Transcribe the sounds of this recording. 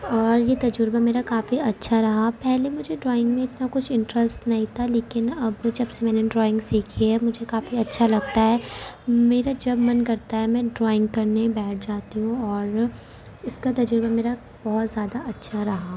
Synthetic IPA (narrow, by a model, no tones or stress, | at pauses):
ɔːɾjet̪ɐd͡ʒɾbameːɾakaːfiɐtːʃʰaɾɐɦapɛɦlemʊd͡ʒʱeɖɾɔːɪ̃ŋɡmẽɪt̪nakʊt͡ʃʰɪ̃ɳʈɾɛsʈnɐɦĩt̪ʰaleːkɪnɐbd͡ʒɐbsemɛːneɖɾɔːɪ̃ŋɡsiːkʰiɦɛmʊd͡ʒʱekaːfiɐtːʃʰalɐɡ̚t̪aɦɛːmeːɾad͡ʒɐbmɐnkɐɾt̪aɦɛmɛ̃ːɖɾɔːɪ̃ŋɡ̚kɐɾnebɛːʈ̚ʰd͡ʒaːt̪iɦũɔːɾ | ɪskat̪ɐd͡ʒɾbameːɾa | bɔɦʊt̪zjaːd̪aʔɐtːʃʰaɾɐɦaː